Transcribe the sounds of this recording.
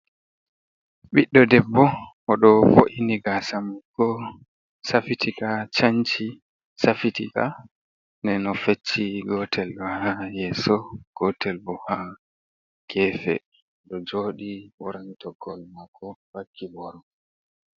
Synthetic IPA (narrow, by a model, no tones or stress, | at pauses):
ɓiɗːɔdɛbːɔ | ɔɗɔfoʔiniɡasamuɡɔ | safitʰikat͡ʃaɲt͡ʃi | safitika̰ | ndɛnɔfet͡ʃːiɡɔtʰɛlɗɔhajɛsɔɡ̥ɔtʰɛlbɔha | ɡ̥ɛːfɛ̰ | ɗɔd͡ʒoːɗiwɔɾantɔɡɔlmakʰːɔwakʰːibɔɾɔ